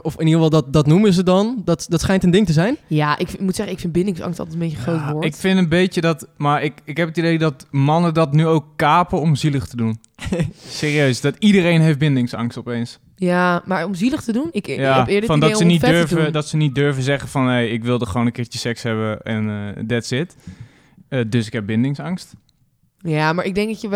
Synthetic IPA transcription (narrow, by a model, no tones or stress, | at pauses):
ɔfɪnifɑlˠdɔtdɔtnuməzədɔndɔtdɔtsχɛjntəndɪŋtəzɛjnjaʔɪkmutsɛχəɪkfɪnbɪndɪŋsɑ̰ŋstɔ̰lˠɛtən̩mbeːjəχrowtʋɔɪkfɪntənbejjədɔtmaɹɪkɪkɦɛpətidejdɔtmɑnədɔtnyowkːaːpəɔmziləxtədun | seːriøɥsdɔtidərejnɦejftbɪndɪŋsɑ̰ŋstɔpejns | jamaɹɔmziləχtədunɪjapɪːɹdəfɔndɔssənidøɹvədɔtsənit̚døɹvəzɛχəfɔnɦejɪkʋɪlˠdəχəʋownəkɪːɹt͡ʃəsɛkshɛbəɛ̰ndɪtsɪt | ədøsɪkɦɛp̚bɪndɪŋsɑŋst | jamaɹɪɡ̚dɛŋk̚ɔtjə